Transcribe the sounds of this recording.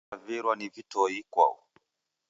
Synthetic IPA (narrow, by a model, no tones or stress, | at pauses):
viɾwanivitɔikwa̰ɔ